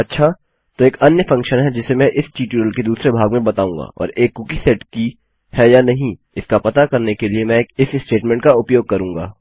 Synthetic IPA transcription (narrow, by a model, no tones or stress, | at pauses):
ɐtːʃʰa | t̪oeːkɐnjəfɐ̃ŋkʃənɦɛd͡ʒɪsemɛ̃ʔɪsʈiːʈjuɾəlked̪uːsɾebʱaːɡmẽbɐt̪aːũːŋɡa̰ːʔɔ̰ːɾeːkːʊkisɛʈki | hɛjanɐɦĩ | ɪskapɐt̪akɐɾnekeliemɛ̃ːkɪssʈeːʈmɛ̃ːɳʈkaʊpjoːɡ̚kɐɾũːŋɡa̰ː